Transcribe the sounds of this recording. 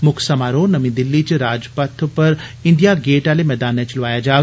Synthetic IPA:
mʊkʰsɐmaːɾonɐmĩd̪ɪlːit͡ʃɾaːd͡ʒpɐt̪ʰpɐɾɪɳɖijaɡeːʈaːlemɛːd̪aːnɛ̃t͡ʃlʊʋaːjad͡ʒaː

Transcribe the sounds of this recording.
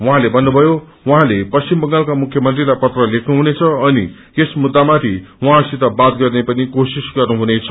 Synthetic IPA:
wʌɦãlebʱʌnːubʱʌjo | wuɦãlepʌst͡ɕimbʌŋɡalkamukʰjʌmʌnt̪rilajpʌt̪rʌlekʰnuɦunet͡sʰʌːni | kesmud̪ːamat̪ʰiwuɦãsit̪abat̪ɡʌrnepʌnikosisɡʌrnuɦunet͡sʰʌ

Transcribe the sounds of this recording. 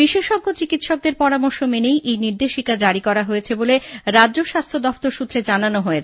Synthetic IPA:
biʃeʃɔɡːot͡ɕikit̪ʃɔk̚d̪eɾpɔɾamɔɾʃomenejʔejniɾd̪eʃikad͡ʑaɾikɔɾaɦojet͡ɕʰeboleɾadʑoʃast̪ʰod̪ɔft̪oɾʃut̪ːɾed͡ʑananoɦoet͡ɕʰ

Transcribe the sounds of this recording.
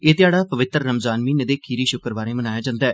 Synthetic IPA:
eːt̪ɪjaːɽaːpəʋɪt̪ːəɾːəmzaːnʋiːned̪eːkʰiːɾiːʃʊkəɾbaːɾeːmənaːjaːd͡ʒãːnd̪aɛː

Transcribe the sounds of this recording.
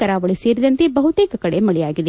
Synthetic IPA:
ɐɾaːʋɐɭiseːɾid̪ɐnt̪ebɐɦut̪eːkɐkɐɽemɐɭɛjaːɡid̪e

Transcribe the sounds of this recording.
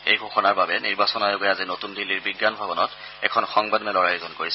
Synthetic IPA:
xejɡʱoxɔnaɹbabɛniɹbasɔnajoɡɛazinotundiliɹbiɡːanbʱabɔnɔt | ɛ̰kʰɔnxɔŋbadɔnɛlɔɹajozɔnkoɹisɛ

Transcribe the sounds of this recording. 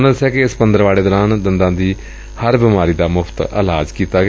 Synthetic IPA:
nəsɛːkɪɪspənd̪əɾʋaːɭeːd̪ɔːɾãːnd̪ənd̪ãːd̪iː | həɾbɪmaːɾiːd̪aːmʊpʰt̪ə̰laːd͡ʒkiːt̪aːɡ

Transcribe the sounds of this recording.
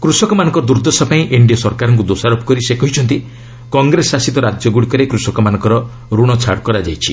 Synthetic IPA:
kɾusɔkɔmanɔ̃ŋkɔɾd̪uɾd̪ɔsɔpaĩʔeɳɖijɔsɔɾkaɾɔŋk̬ud̪osaɾopɔ̥kɔɾisekɔɦit͡ʃʰɔnt̪̬i | kɔŋɡɾesasit̪ɔɾad͡ʒjɔɡuɽikɔɾekɾusɔkɔmanɔ̃ŋkɔɾɔ | ɾuɽ̃ɔt͡ʃʰa̰ɽkɔɾad͡ʒa̰jt͡ʃʰi

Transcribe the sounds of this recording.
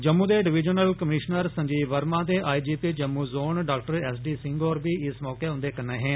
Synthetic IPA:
d͡ʒəmːũːd̪eːɖɪʋɪd͡ʒənəlkəmɪʃnəɾsə̃ɲd͡ʒiːʋəɾmãːd̪eːʔaːid͡ʒiːpiːd͡ʒəmːũːzoːnɖaːkʈəɾɛːsɖiːsɪ̃ŋɡoːɾbiːɪsmɔːkeːʊ̃nd̪eːkənẽːɦɛ̃ː

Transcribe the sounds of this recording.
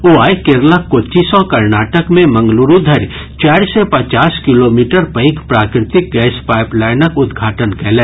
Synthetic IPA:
oaːikeɾləkːot͡ʃisɔkɐɾnaːʈəkmẽmɐ̃ŋɡluɾud̪ʱɐɾ | t͡ʃaːɾsepɐt͡ʃaːskɪloːmiːʈəɾpə̃ɪkpɾaːkɾɪt̪ɪk̚ɡɛːspaːɪplɛːjnəkʊd̪ɡʱaːʈənkɛɦlẽː

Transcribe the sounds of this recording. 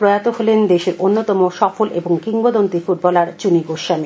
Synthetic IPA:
pɾojat̪oɦolend̪eʃeɾʔonːot̪ɔmoʃɔfolʔeboŋkiŋɡod̪ont̪ifuʈ̚bɔlaɾt͡ɕuniɡoʃami

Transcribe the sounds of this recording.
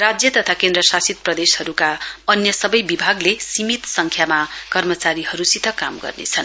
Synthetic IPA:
rad͡zjʌt̪ʌt̪ʰakend̪ɾʌsasit̪̚prʌd̪eshʌɾukaʌnjʌsʌbʌjbibʱaɡlesimit̪sʌŋkʰjamakʌrmʌt͡saɾiɦʌɾut͡sit̪ʌkamɡʌ̰rnḛt͡sʰʌn

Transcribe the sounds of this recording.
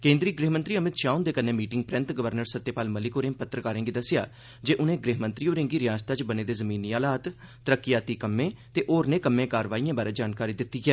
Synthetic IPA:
kẽːnd̪ɾiːɡɾiːɦmənt̪ɾiːəmɪt̪ʃaːund̪eːkəneːmiːʈɪ̃ŋɡ̚pɾɛ̃nt̪ɡəʋəɾnəɾsət̪ːeːpaːlməlɪkoːɾẽːpət̪ːɾəkaːɾẽːɡiːd̪əsɪja̰ː | d͡ʒeːʔʊnẽːɡɾiːɦmə̃nt̪ɾiːoːɾẽŋɡiːɾɪjãːst̪ət͡ʃbəneːd̪eːzəmĩːniːaːlaːt̪t̪əɾəkːɪjaːt̪iːkəmːẽːt̪eːʔoːɾneːkəmːẽːkaːɾʋaːijãːbaːɾeːd͡ʒaːnkaːɾiːd̪ɪt̪ːiːɡɪɛː

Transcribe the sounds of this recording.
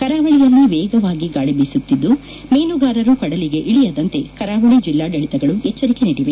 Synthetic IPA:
kɐɾaːʋɐɭijɐlːiʋɛːɡɐʋaːɡiɡaːɭibisut̪ːid̪ːu | meːnuɡaːɾɐɾukɐɽɐliɡe̞ʔiɭijɐd̪ɐnt̪e̞kɐɾaːʋɐɭid͡ʒilːaːɖɐɭit̪ɐɡɐɭuɛt͡ʃːɐɾike̞niːɽiʋe

